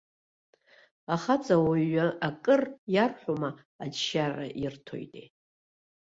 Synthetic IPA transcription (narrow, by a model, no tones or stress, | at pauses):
aχat͡sʼawaɥʷaakʼɨrjarħʷuma | ad͡ʒʃara̰ʔirtʰo̞̰jtʼḛ